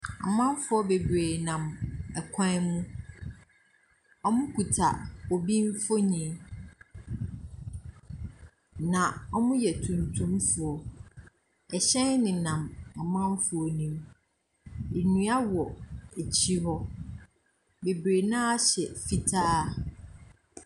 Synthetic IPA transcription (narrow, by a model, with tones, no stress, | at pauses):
a̰˨mã˦m˦fʊ˦ɔ˦be˨bɾeː˨nã˨mɛ˨kʷʰã˦mũ˦ | ɔ˦mʊ̃˦kʰu˨tʰa̰˨o˨bĩ˦n˦fo˦ɲĩ˨˦ | nã˨ɔ˦mʊ̃˦jɛ˨tʰũ˨ntʰũ˦mfʊ˨ɔ˨ | ɛ˨ɕɛ̃˦nnɪ̃˨nã˨mɔ˨mã˦mfʊ˨ɔ˨nĩ˨m | e˨nũ˦a˦wɔ˨e˨t͡ɕʰi˦hɔ˦ | be˨bɾeː˨nãː˦a˦ɕɛ˨fi˨tʰaː˦˨